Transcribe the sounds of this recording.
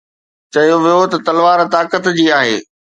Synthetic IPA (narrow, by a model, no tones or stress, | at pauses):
t͡ɕɐjoʋijot̪ɐt̪ɐlʋaːɾt̪aːkət̪d͡ʑiːaːɦeː